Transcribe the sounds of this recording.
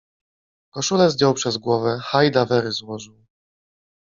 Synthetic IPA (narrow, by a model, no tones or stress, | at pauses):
kɔʂulɛzd̪ʲjɔwpʂɛzɡwɔvɛxajd̪avɛɾɘzwɔʐɘw